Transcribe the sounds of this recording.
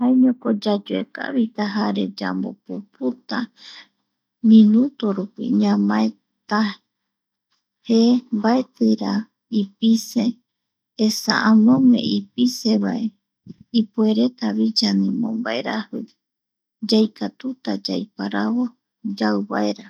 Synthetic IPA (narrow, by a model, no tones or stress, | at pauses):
haeɲõkod͡ʒad͡ʒoeka̰βit̪aɦaɾe̞d͡ʒa̰mbo̞̰puput̪a | mĩnut̪oɾupḭɲãmãe | t̪a | hembaet̪ɨɾa | ipise̞ː | sa̰ʔãnõmẽ̞̰ipise̞βae | ipue̞ɾe̞t̪aβid͡ʒanĩmõ̰mbae̞ɾahɨ | d͡ʒajkat̪ut̪ad͡ʒajpaɾaβo | d͡ʒawβaeɾa